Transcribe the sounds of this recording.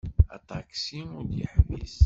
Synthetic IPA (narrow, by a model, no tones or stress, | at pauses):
ɑ̰t̪ˤɑksinʊɾd̪jə̰ħmḭs